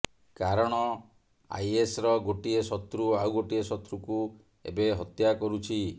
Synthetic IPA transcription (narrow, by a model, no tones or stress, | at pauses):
kaɾɔɽ̃ɔ | a̰jesɾɔɡoʈiesɔt̪ɾuawɡoʈiesɔt̪ɾuku | ḛbeɦɔt̪jakɔɾut͡ʃʰi